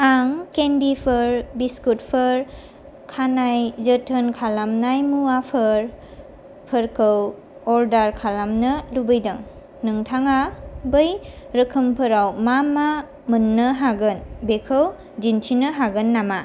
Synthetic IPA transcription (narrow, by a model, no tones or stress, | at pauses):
aŋkenbipʰɯɾbiskut̚pʰɯɾ | kʰanajzɯtʰənkʰalamnajmuapʰɯɾ | pʰɯɾkɯw | ɔldaɾkʰalamnɯlubɯjdaŋ | nɯŋtʰaŋabɯj | ɾɯkʰɯmpʰɯɾawmama | mɯnːɯɦaɡɯnbekʰɯw | d͡ʒint͡ʃʰinɯɦaɡɯnːama